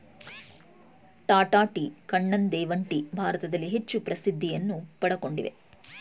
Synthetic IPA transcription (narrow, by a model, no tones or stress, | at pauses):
ʈaːʈaːʈikɐɳːɐnd̪ɛːʋɐɳʈibʱaːɾɐt̪ɐd̪ɐlːiɦet͡ʃːupɾɐsid̪ʱːijɐnːupɐɽɐko̞ɳɖḭʋe̞̰